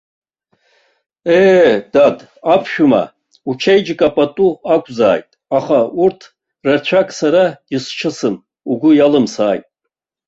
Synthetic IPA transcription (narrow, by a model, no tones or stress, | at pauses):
eːdad | apʰʃᶣuma̰ | ut͡ʃʰejd͡ʒkʼapʼatʼuakʷʼza̰ːjtʼaχaurtʰ | rat͡ɕʷʰakʼsaɾadist͡ʃʰɨsɨm | uɡʷʊjalɨmsaːjtʼ